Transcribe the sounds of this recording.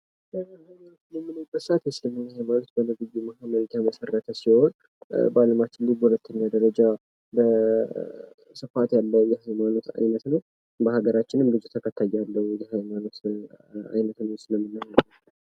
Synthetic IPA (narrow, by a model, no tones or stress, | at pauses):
əzajmat̪ləmːɨnəjbət̪sʔat̪jɛsɨləmːɨnːahajmanot̪bənɨɡɨɡumahaməɾt̪aməsərːət̪ʰəsiho̞n | baləmat̪ːʰɨlːɨɡəhulət̪ʰːəɲːad̪əɾəd͡ʒa | bə | sɨfat̪jalːəjɛhajmano̞t̪ʰa̰jnət̪nəw | bəhaɡəɾat͡ʃːɪnɨmɡɨd͡ʒɪt̪ʰːəkʰət̪ʰːajalːəwjɛhajmano̞t̪ | a̰jnət̪nəwsɨləmːɨnːahəə